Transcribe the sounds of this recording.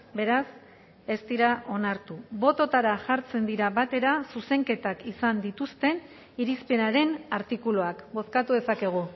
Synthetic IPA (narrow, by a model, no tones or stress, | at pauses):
be̞ɾas | e̞st̪iɾaʔo̞naɾt̪uβo̞t̪o̞t̪aɾaʝaɾt͡se̞nd̪iɾaβat̪e̞ɾasuse̞ŋke̞t̪akisand̪it̪ust̪e̞n | iɾispe̞naɾe̞naɾt̪ikuloakbo̞θkat̪uðe̞sake̞ɣ̞u